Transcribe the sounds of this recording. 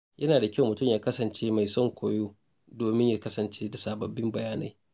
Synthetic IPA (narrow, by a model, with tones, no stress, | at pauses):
jʔɐ˦naː˨da˨kʲɐ˦˨wmʊ˨tʊ˦˨mjaː˦kɐ˦sɐ˨nt͡ʃeː˦ma˨jsɔ˦˨ŋkʷʰoː˨joː˦ | doː˨mɪ˦ɲjaː˦kɐ˦sɐ˨nt͡ʃeː˦da˨saː˨bɐ˨bːɪ˦mbɐ˨jaː˦na̰˦j